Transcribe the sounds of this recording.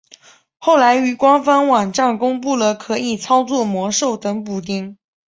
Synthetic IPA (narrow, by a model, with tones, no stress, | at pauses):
xo˥˩ʊla˧˥ɪy˧˥kwɑ˥ŋfɑ˥ŋwɑ˨˩ŋʈ͡ʂa˥˩ŋkʊ˥ŋpu˥˩lə˩kʰɤ˧˥i˨˩t͡sʰɑ˥ʊt͡swɔ˥˩mwɔ˧˥ʂo˥˩ʊt̪ɤ˧˥ŋpu˨˩t̪̬i˥ŋ